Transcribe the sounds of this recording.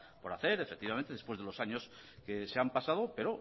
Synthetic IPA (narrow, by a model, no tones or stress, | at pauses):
po̞ɾaθe̞ɾefek̚t̪iβamẽnt̪e̞ðepwe̞zðe̞lo̞saɲo̞skeseampasaðope̞ɾo